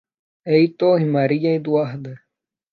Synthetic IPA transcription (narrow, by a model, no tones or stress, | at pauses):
eit̪oɦimaɾijaid̪uaɦd̪e